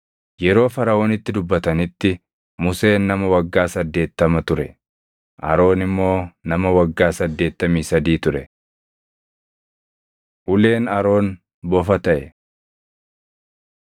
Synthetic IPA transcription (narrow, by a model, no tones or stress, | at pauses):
jɛɾo̞ːfɐɾɐʔo̞ːnɪt̪ːɪd̪ʊbːɐt̪ɐnɪt̪ːɪ | mʊse̞ːnːɐmɐwɐɡːaːsɐd̪ːe̞ːt̪ːɐmɐt̪ʊɾɛ | ʔɐ̰ɾo̞ːnɪmːo̞ːnɐmɐwɐɡːaːsɐd̪ːe̞ːt̪ːɐmiːsɐd̪iːt̪ʊɾɛ | ʔʊle̞ːnɐɾo̞ːn | bɔfɐt̪ɐʔɛ